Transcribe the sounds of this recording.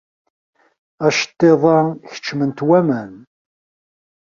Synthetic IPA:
æʃt̪ˤːeðˤɑçə̥t͡ʃːmənt̪wæmæn

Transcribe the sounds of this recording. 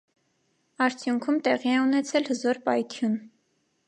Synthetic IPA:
ɑɾt͡sʰjuŋkʰumt̪ɛʁiɛunɛt͡sʰɛlhəzɔɾpɑjt̪ʰjun

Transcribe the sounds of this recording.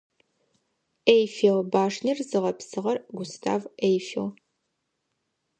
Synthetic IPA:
ejfelbaːʂnirzɨʁɐpsɨʁɐrɡʷʊstʰa̰ːvejfil

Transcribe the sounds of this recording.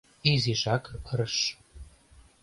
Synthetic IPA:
iziʃɑkəɾəʃ

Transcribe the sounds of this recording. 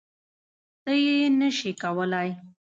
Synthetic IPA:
t̪əjenəʃikawəlaj

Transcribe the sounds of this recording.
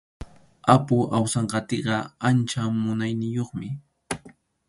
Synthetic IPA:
apʊʔawsɑɴɢɑt̪eɢɑant͡ʃamʊnajnɪjoχmɪ

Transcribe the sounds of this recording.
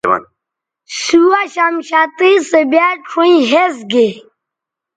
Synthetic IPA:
ma̰n | suaɕamɕaːt̪isəbaʈʰũĩɦesɡe

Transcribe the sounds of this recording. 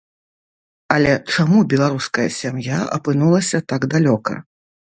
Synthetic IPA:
ɐlʲɛt͡ʂamubʲɛlˠaɾuskɐjɐsʲamjaɐ̰pɨnulˠɐsʲɐt̪aɡd̪alʲɔkɐ̰

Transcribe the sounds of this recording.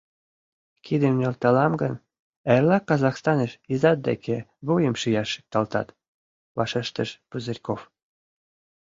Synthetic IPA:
kʰid̪əmnʲolt̪ɑlɑmɡən | erlɑkɑzɑxst̪ɑnəʃizɑt̪̚d̪ḛkʰeβujəmʃijɑʃːi̥k̚t̪ɑlt̪ɑ̰t̪ | βɑʃeʃt̪əʃpuzərʲkof

